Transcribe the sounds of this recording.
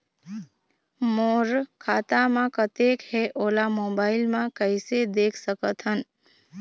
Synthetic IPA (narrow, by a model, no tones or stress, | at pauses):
moːɾkʰaːt̪amãkət̪ekɦeʔoːlamoːbaːɪlmãkəɪsed̪eːkʰsəkət̪ɦən